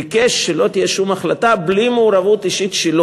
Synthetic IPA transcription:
ikeʃːelo̞t̪ijeʃumaχlat̪ablimeːɾavut̪iʃit̪ʃelo

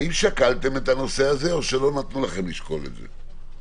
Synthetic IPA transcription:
imʃakalt̪e̞met̪ano̞se̞aze̞o̞ʃe̞lo̞nat̪nulaχe̞mliʃko̞lḛd̪zḛ

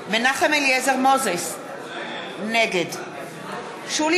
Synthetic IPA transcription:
menaχemeljɛzeʁmozes | neɡed | ʃul

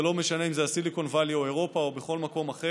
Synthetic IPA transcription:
elo̞meʃane̞imzeasiliko̞nvalioeʁo̞paobeχo̞lmako̞maχe

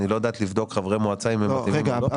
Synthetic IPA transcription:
nilojad̪aːt̪livd̪o̞kχavʁemoat͡saimeatim

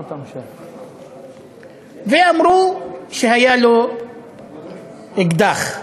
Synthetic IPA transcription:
veamɾuʃehajalo | eɡd̪aχ

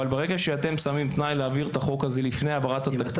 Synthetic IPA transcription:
albeʁeɡaʃeat̪e̞msamimt̪najleaviʁt̪aχo̞kazelifnejavaʁat̪hat̪ak̪

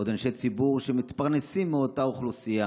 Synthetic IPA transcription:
od̪anʃejt͡sibuʁʃemit̪paʁne̞simːeo̞tauχlusia

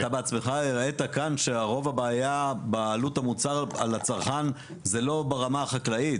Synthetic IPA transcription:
t̪abeat͡smeχaiʁet̪akanʃeaʁo̞vabaːjabalut̪amut͡saʁa̰lat͡saʁχan | zelo̞baʁamaχaklait

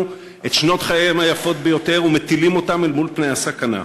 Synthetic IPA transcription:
u | etʃno̞t̪χajemajafo̞tbe̞jo̞te̞ʁume̞t̪ilimo̞tamelmulpne̞jasakana̰

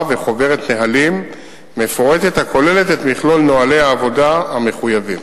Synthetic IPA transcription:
ve̞χo̞ve̞ʁet̪neɦalimː | e̞fo̞ʁete̞t̪hakʰo̞le̞le̞t̪et̪miχlo̞lno̞ale̞jaːvo̞daame̞χujavim

